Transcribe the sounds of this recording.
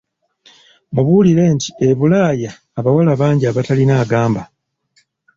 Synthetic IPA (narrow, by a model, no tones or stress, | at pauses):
muβuliɾe̞ːntie̞βulaːjaːβawalaβaːɲɟiaβatalinaːɡaːmba